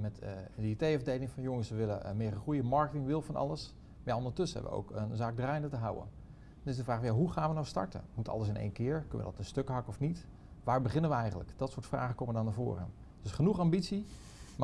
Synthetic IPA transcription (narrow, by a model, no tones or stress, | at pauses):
mɛtditejvədejlɪŋfɑnjoŋəsʋəʋɪlə̰mɪːrəχrujəmɑɹkətɪŋʋɪlˠfɑnʔɑ̰lˠəs | majaondəɹtɵsəɛ̰b̰əʋə̰o̰wkənzaːɡ̚draːjndətəɦawə̰n | dnɪsdəvraːxfnjaɦuχaːnʋənawstɑ̰ɹtə̰mutɑ̰lˠəsɪnḛjnkɪːɹkɵnə̰ʋə̰dɔ̰tənstøkɦɑkəɔfnit | ʋaːɹbəχɪnənʋəɛjχəntlə̰kdɔtsʊːətfra̰ːχəkoməʋədɔndavo̰ːɾə̰ | d̥ɵsχənuχambitsi | m